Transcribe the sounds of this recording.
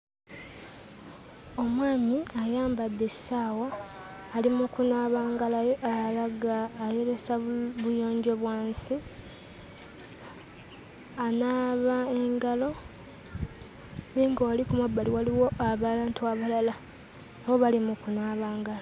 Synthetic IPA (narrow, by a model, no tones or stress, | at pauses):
o̞mwaːmiajaːmbad̪ːe̞ssaːwaː | limukunaːβaːŋɡalajoʔalaɡaːje̞ɾe̞saβujo̞ːɲɟo̞βwaːnsi | anaːβaeŋɡalo̞ | niːŋɡowalikumabːaliwaliwo̞aβalantuaβalala | awo̞βalimukunaːβaːŋɡala